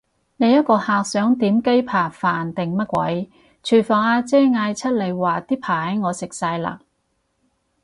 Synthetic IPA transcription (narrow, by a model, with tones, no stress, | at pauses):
ne˨˧jɐ˥t̚kɔː˧haː˨k̚sœː˨˥ŋt̪iː˨˥mke˥jpʰaː˨˩faː˨˩nt̪ɪ˨˩ŋmɐ˥t̚kʷwɐ̰˨˥j | t͡ʃʰyː˨˩fɔː˨˩ŋaː˧t͡sɛː˥ŋaː˧jt͡sʰɐ˥t̚le˨˧jwaː˨˩t̪iː˥pʰaː˨˩hɐ˨˦jŋɔː˨˧sɪ˨k̚saː˧jla̰ː˨k̚